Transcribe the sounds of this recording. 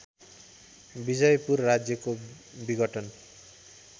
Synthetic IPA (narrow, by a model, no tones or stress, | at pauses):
bid͡zʌjpurːad͡zjʌko | biɡʌʈʌn